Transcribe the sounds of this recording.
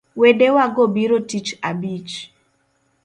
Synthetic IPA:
wedewaɡobiɾotit͡ʃabit͡ʃ

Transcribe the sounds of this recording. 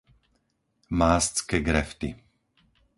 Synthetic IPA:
maːst͡skɛɡɾɛft̪i

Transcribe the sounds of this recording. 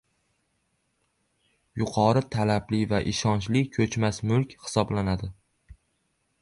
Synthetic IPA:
jʊqʰɒɾɪt̪ʰalablɪvaʔɪʃɒnt͡ʃlɪkʲʰɵt͡ʃmasmʊlˠkʲhɪ̥sɒblanad̪ɪ

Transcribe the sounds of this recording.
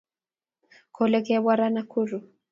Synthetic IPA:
kʰɔlɛkɛβwaɾanakuɾu

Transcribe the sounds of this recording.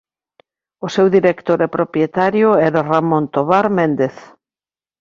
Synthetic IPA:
ʊsewðiɾekt̪oɾɛpɾopɾjet̪aɾjʊɛɾaramõnt̪oβaɾmend̪eθ

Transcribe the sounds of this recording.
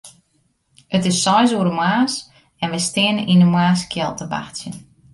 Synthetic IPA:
ətɪsːɔjzuəɾəmwaːs | ɛnʋəjstɪənəʔinəmaːskʰjɛlˠtəba̰xtsjən

